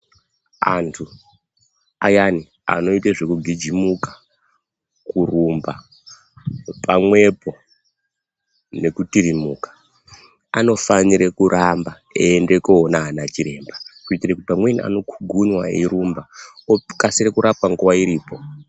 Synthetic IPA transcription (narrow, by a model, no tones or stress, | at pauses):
a̰ntʰu | a̰jani | a̰no̞iteʐe̞kuɡʱid͡ʒimukḁ | kurumba | pamwe̞po̞ | ne̞kutiɾimukḁ | ano̞faniɾekuɾʔamba | eːnde̞koːnaɦanat͡ʃiɾe̞ːmbakuitirakutipamwenia̰no̞kʰuɡʱuɲwaḭɾumbaokasiɾekuɾʔap̚waŋɡuwaiɾiːpo̞